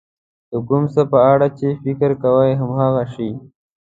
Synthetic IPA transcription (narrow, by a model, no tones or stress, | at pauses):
d̪əkumsapəaːɽat͡ʃefikəɾkawajɦəmɦaɣaʃi